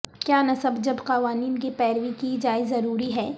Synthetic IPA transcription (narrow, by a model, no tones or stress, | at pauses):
kjaːnɐsəbd͡ʒɐbqɐʋaːniːnk̬ipɛːɾʋikid͡ʒaːɪzːɐɾuːɾiɦɛː